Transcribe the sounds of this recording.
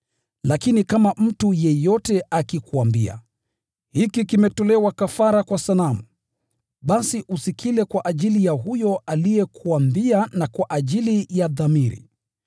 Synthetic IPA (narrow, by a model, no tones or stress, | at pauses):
lakinikamam̩tujɛjɔtɛʔakikuambia̰ | hikikimɛtɔlɛwakafaɾakwasalamu | ɓasiʔusikʰilɛkwaʔaʄilijaɦujɔʔalijɛkʰuambianakwaʔaʄilijaðamiɾḭ